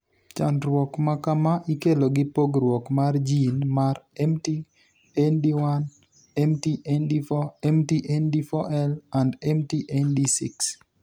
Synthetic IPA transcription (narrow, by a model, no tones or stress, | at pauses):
t͡ʃa̰ndɾwɔkmakamaʔikeloɡɪpoɡrwɔkmard͡ʒinmarɛmti | ɛndiwan | ɛmtiʔɛndifɔɛmtiʔɛndifɔʔɛlandɛmtiʔendisḭks